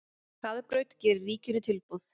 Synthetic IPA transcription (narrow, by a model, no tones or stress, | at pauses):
kaðpɾœɥt̪cɛːɾʏɾriːcɪnʏt̪ʰɪlpuð